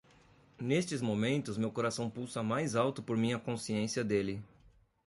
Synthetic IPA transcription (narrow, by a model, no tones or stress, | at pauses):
nest͡ʃɪzmomẽnt̪ʊzmewkoɾasɐ̃w̃pusɐmajzawt̪ʊpoɾmĩɐkõsiẽsiɐd̪elɪ